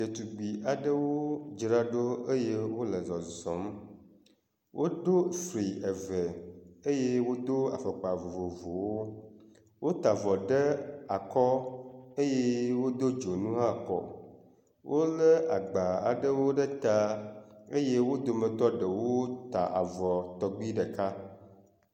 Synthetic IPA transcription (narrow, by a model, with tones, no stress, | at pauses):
d̪e˨t̪u˨ɡ͡bi˨ʔa˨ɖə˦wo˦d͡ʒɾa˦ɖo˦e˦je˦wo˦lə˨zɔ˨zɔ̰̃˨˦m | wʔo˦d̪o˦fɾi˨e˨və˨e˦je˦wo˦d̪o˦a̰˨fə˨k͡pa˨vo˨vo˨vo˨wo˦ | wʔo˦t̪a˨vɔ˨ɖə˦a˨kɔ˦e˦je˦wo˦d̪o˦d͡ʒo˨nũ˦ɦa˦kɔ̰˨ | wʔo˦lə˦a˨ɡ͡ba˨a̰˨ɖə˦wo˦ɖə˦t̪a˦e˦je˦wo˦d̪o˨mə̃˨t̪ɔ˦ɖə˨wo˦t̪a̰˨ʔa̰˨vɔ˨t̪ɔ˦ɡ͡bi˦ɖə˨ka˦